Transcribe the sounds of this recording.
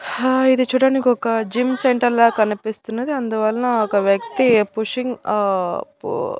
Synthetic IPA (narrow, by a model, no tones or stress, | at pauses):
id̪it͡ʃuːɽaːnikiɔkɐd͡ʒimseɳʈɐɾlaːkɐnipist̪unːɐd̪iɐnd̪uʋɐlɐnɐɔkɐʋjɐk̚t̪ipuʂiŋɡ